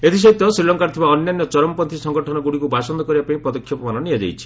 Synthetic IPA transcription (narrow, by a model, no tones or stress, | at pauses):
et̪ʰis̬ɔit̪ɔsɾilɔŋkaɾt̪ʰibaɔnjanːɔt͡ʃɔɾɔmpɔnt̪ʰisɔŋɡɔʈʰɔnɔɡuɽikubasɔnd̪ɔkɔɾibapaĩpɔd̪ɔkʰːjɔpɔmanɔnijad͡ʒa̰jt͡ʃʰi̥